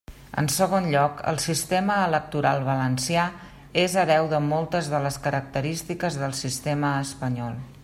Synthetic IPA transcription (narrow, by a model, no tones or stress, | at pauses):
ə̰nsəɣ̞onʎɔkə̰lˠsist̪eməːlək̚t̪uɾalˠβələnsia | ezəɾɛwðəmɔlˠt̪əzðələskəɾək̚t̪əɾist̪ikəzðəlˠsist̪eməːspəɲɔlˠ